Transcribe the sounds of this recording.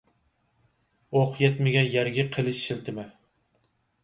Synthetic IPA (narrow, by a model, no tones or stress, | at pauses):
oqʰjɛt̪mɪɡʲɛnjæɾɡʲɛqʰəlˠɨʃʃɪlt̪ʰɪmɛ